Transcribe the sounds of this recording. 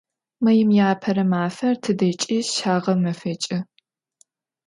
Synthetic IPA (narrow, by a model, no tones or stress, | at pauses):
mɐjɪmjaːpʰɐɾɐmaːfɐrtʰɨdɐt͡ʃʼiːʃaːʁɐmɐfɐt͡ʃʼɪ